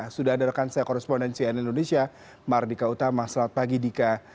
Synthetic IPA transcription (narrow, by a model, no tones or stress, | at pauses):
sudaadarkansajakɔɾɛspɔndɛnsiɛnindonesia | mardikaut̪amasɾaat̪̚paɡidika